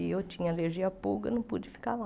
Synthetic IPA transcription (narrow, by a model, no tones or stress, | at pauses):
ɪewt͡ʃĩɲɐaleɾʒiɐpṵɡɐ̰nɐ̃w̃pud͡ʒɪfi̥kala